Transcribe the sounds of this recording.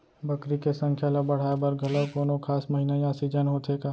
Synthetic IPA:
bəkɾikesə̃ŋkʰjaləbəɽ̤aːebəɾɡʱələkoːnokʰaːsməɦinajaːsid͡ʒənɦot̪ʰeːkaː

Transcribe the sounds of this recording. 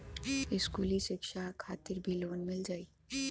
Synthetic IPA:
ɪskuːliʃɪkʃakʰaːt̪ɪɾbʱiloːnmɪld͡ʒaːiː

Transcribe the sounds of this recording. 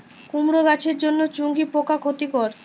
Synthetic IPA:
kumɾoɡat͡ɕʰeɾd͡ʑonːot͡ɕuŋɡipokakʰot̪ikɔɾ

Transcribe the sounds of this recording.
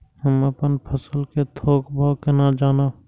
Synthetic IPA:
ɦəməpənpʰəsəlket̪ʰoːkbʱokenad͡ʒaːna

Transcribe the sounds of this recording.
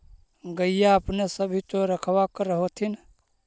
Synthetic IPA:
ɡəijaəpnesəbʱit̪oɾəkʰwakəɾəɦot̪ʰin

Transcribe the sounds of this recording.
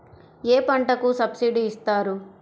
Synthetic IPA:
eːpɐɳʈɐkusɐbsiɖiist̪aːɾu

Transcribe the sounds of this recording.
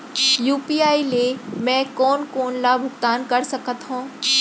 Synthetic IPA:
juːpiːaːilemɛ̃ːkɔːnkoːnlabʱʊɡt̪aːnkɐɾsɐkət̪ɦõː

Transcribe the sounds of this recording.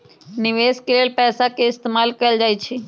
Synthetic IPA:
nɪʋeːskeleːlpɛːsakeɪst̪eːmaːlkɐjəld͡ʒaːjt͡ʃʰe

